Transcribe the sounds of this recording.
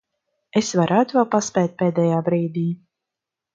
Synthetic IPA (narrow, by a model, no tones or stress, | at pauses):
esvaɾʔæːt̪uvalˠpaspʲɛːt̪̚ʲpʲeːd̪ʲɛjaːbɾiːd̪iː